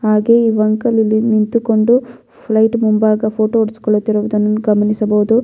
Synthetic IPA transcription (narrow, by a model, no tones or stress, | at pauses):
ɦaːɡe̞ːiːʋɐŋkɐlːilːinint̪uko̞ɳɖu | pʰlɐjʈmumbaːɡɐpʰo̞ːʈoːuɽisi̥kɔɭːut̪ːiɾɐʋud̪ɐnːuɡɐmɐnisɐbɐʋud̪u